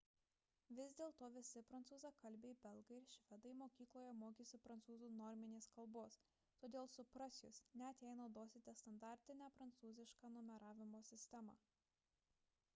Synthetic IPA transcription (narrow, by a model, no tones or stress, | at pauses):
ʋʲɪzd̪ʲeːlˠt̪oːʋʲɪsʲɪpɾɐnt̪suːzɐkɐlʲbʲeːibʲɛlˠɡɐɪɪɾʃʲʋʲɛd̪ɐɪmoːkʲiːklˠoːjɛmoːkʲisʲɪpɾɐnt̪suːzuːnɔɾʲmʲɪnʲeːskɐlˠboːs | t̪oːd̪ʲeːlˠsʊpɾɐsʲjʊsnʲɛɐt̪ʲɛɪnod̪oːsʲeːt̪ʲeːst̪ɐnd̪ɑˑɾʲt̪ʲɪnʲæpɾɐnt̪suːzʲɪʃkɑːnɔmʲɛɾɑːʋʲɪmoːsʲɪsʲt̪ʲɛmɑ̰ː